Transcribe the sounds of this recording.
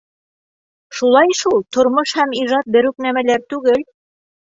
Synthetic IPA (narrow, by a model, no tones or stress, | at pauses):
ʃulˠɑjʃulˠt̪ŏɾmoʃhæmiʒɑt̪̚bɘ̆ɾʉknæmælæɾt̪ʉɡɘl